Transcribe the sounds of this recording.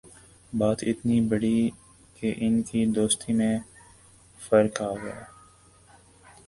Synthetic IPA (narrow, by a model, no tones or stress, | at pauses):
baːt̪ɪt̪nibəɽi | keʔɪnkid̪oːst̪imẽ | fəɾkaːɡja̰ː